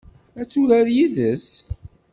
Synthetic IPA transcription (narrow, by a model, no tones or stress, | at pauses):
æt͡sːuɾæɾjiðəs